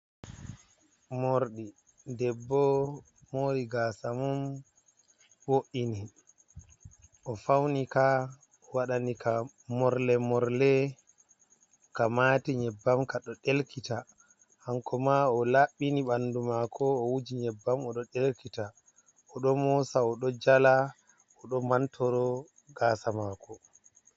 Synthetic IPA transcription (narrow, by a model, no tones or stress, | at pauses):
moɾɗi | dɛbːɔ | moɾiɡasamɔm | boʔini | ʔɔfawnika | ɔwaɗanika | mɔɾlɛmɔɾlɛ | kamatiɲɛbːamkaɗɔɗelkita | haŋkʰɔmaɔlaɓiniɓandumakʰɔːwud͡ʒiɲɛbːamɔɗɔɗelkita | ɔɗɔmɔsaɔɗɔd͡ʒala | ɔɗɔmantʰɔɾɔ | ɡaːsamakɔ